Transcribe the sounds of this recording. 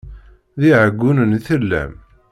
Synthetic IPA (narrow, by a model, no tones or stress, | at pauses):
ðiʕəɡːunənθəlːæ̰m